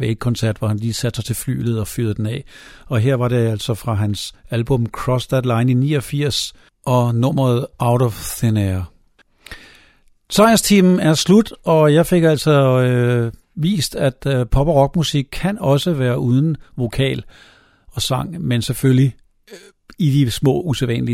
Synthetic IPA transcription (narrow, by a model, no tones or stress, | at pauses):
eɡ̥̚kʰɒ̽nsæɐ̰d̥ʋɒhænliːsæd̥sɑ̈ɪt͡sʰe̝lfly̰ːlð̩ˠɒ̽fyð̩ˠd̥enɛɒ̽ɦeɐ̰ʋɑ̈ɾe̝æl̰sɒ̽fʁɑ̈ɦænsælb̥ɔ̽mkʰʁɒsd̥æd̥lɑ̈ɪninḭːɒfiɐ̰s | ʔɒ̽nɔmɐð̩ˠäʊɾɒfseneɐ | t͡sʰɑ̈ɪɐst͡sʰiːmn̩æɐslud̥ɒ̽jɑ̈ɪfe̝ɡ̥æl̰sɒ̽ | ʋḭːsd̥æd̥pʰɒ̽b̥ʁɒ̽ɡ̥musiɡ̥̚kʰːænɒ̽səʋæːɐʔuð̞ˠn̩ʋo̝kʰɛ̰ːl | ɒ̽sɑ̈ŋ̰mensefølji | id̥ismɔ̰̽ːuseʋɛ̰nli